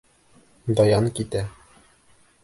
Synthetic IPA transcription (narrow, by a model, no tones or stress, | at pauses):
d̪ɒjɑŋkit̪æ